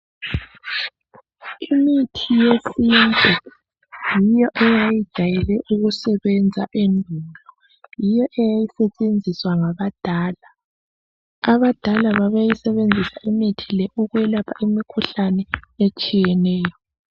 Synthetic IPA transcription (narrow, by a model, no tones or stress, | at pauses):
imitʰijesind͡ɮʱʼɛ | jijɔʔɛjajid̥ʒ̥ʱajɛlɛʔuɣusɛβɛnd͡zʱaʔenbʱulɔ | jijɔʔɛjajisɛt͡ʃʼend͡zʱiswaŋaβad̥ʱaːla | aβad̥ʱalaβaβajisɛβend͡zʱisaʔimitʰilɛʔuɣwɛlapʰaʔimikʰuɬanɛet͡ʃʼijɛnɛːjɔ